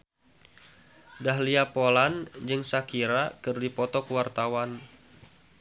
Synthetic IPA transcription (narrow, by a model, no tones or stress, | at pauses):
dahliapoland͡ʒɨŋsakiɾakɨrdipɔt̪ɔkuwart̪awan